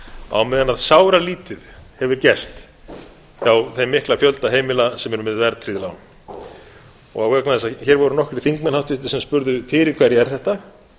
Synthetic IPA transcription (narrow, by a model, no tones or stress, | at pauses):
a̰wmɛðanaðsaːwɾaliːt̪ɪðhɛvʏɾ̥cɛst̪ | awθejmːɪhklafjœlt̪aɦeːjmɪlasɛmɛɾʏmɪðvɛɾt̪ʰɾiðɪlawn | ɔ̰ɣawvɛknaθɛsaðçɛɾvɔɾʏnɔhkɾɪ̥θiŋkmɛnhawt̪vɪht̪ɪsɛmspʏɾðʏfɪːɾɪɾ̥kʰvɛɾjɛɣɛɾ̥θɛht̪a